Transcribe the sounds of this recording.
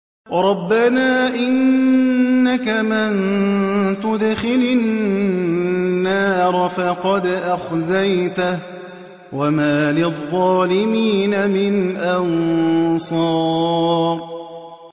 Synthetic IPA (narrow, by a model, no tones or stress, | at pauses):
ɾˤɑbːanaːʔɪnnː | akamɪn | t̪ʊd̪xɪlan | ɑːɾˤfɑqɑd̪ʔaxzajt̪a | wamaːlɪðˤːɑːlɪmiːnamɪnʔansˤɑːɾˤ